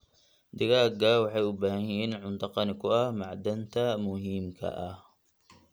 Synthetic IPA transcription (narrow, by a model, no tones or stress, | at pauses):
d̪ɪɣaːɡawɑħɑjʊbaːhɐjɛjɛːnʕʊnt̪ɑqɑnɪkʰʊɐhmɑʕd̪ɐnt̪ʰɐmʊɦiːmkʰɐ̰ʔɐh